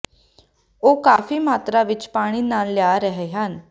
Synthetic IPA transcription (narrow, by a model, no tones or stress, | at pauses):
okafiːmaːt̪ɾaʋit͡ʃpaːɽ̃iːnanljaɾəɦɛɦan